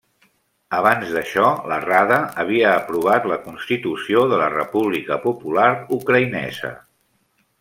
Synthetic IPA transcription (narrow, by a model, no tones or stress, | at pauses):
əβanzðəʃɔlə̰raðəəβ̞iəːpɾuβ̞at̪ləkunst̪it̪usioðələrəpuβlikəpupulaɾukɾəinɛ̰zə̰